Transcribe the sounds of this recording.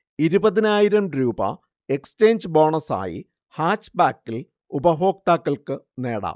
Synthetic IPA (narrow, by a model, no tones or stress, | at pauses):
iɾubɐðinaːjiɾɐmɾuːbɐ̰ | e̞kst͡ɕe̞ːnd͡ʑɨbo̞ːɳɐsa̰ːjḭ | haːt͡ɕːbaːkːil | ubɐɦo̞ːk̚t̪aːkːɐɭkɨ | ne̞̰ːɽa̰ː